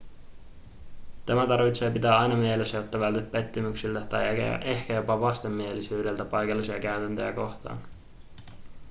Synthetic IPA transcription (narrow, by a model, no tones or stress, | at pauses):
t̪æmæt̪ɑrʋit̪se̞ːpit̪æːɑjnɑmielesːæjot̪ːɑʋælt̪et̪̚pe̞t̪ːymyksilt̪æt̪ɑj̰ʔe̞hkæjo̞pɑʋɑst̪e̞mːie̞lisyːde̞lt̪æpɑjkɑlːisiɑkæyt̪ænt̪øjæ̰ko̞xt̪ɑ̰ːn